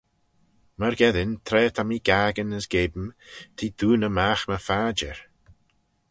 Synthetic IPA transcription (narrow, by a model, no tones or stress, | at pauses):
məɾɡɛðɪnt̪ʰɾɛːt̪ʰamiːɡ̥aːɡənəsɡ̥eːbəmt̪ʰiːd̪̥uːnəmaxməfaːd͡ʒə̰ɹ